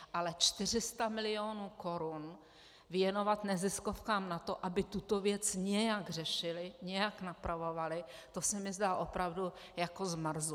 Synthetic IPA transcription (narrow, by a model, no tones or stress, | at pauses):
ʔalɛt͡ʃt̪ɪr̝ɪst̪amɪlɪjonuːko̞ɾun | vjɛno̞vat̪nɛzɪskofkaːmnat̪o̞ʔabɪt̪ut̪o̞vjɛt͡sɲɛjaɡrɛʃɪlɪɲɛjaknapɾavo̞valɪ | t̪o̞sɛmɪzdalʔo̞pɾavdu | jako̞zmr̩zu